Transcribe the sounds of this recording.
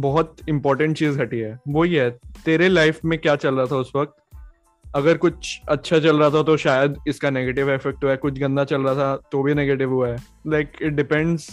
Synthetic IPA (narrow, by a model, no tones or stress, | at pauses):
bɔɦɔt̪ɪ̃mpɔːɾʈə̃ɳʈ̚t͡ʃiːzɡʱɐʈiɦɛːʋoɦiɦɛːt̪eːɾelaɪfmẽkjaːt͡ʃɐlɾaat̪ʰaʊsʋɐk̚t̪ | ɐɡəɾkʊt͡ʃʰɐtːʃʰat͡ʃɐlɾɐat̪ʰat̪oʃaːjəd̪ɪskaneːɡeːʈɪʋefɛk̚ʈɦuaɦɛkʊt͡ʃʰɡɐ̃nd̪at͡ʃɐlɾɐat̪ʰat̪obʱineːɡeːʈɪʋɦuaɦɛː | laɪkɪʈ̚ɖɪpɛ̃ɳɖz